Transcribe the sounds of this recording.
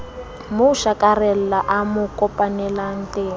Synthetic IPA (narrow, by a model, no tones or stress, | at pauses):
muʃakʼarɛllaʔamukʼɔpʼanɛlan̩tʼeː